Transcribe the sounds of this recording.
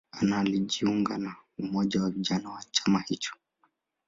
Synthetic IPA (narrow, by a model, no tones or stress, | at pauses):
analiʄiuŋɡanaumɔʄawaviʄanawat͡ʃamahit͡ʃɔ̥